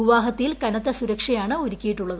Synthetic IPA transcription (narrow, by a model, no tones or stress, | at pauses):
iʋaːɦɐt̪ːɐjilkɐnɐt̪ːɐsuɾɐkʂɐjaːɳɨoɾikʲːijiʈːuɭːɐðɨ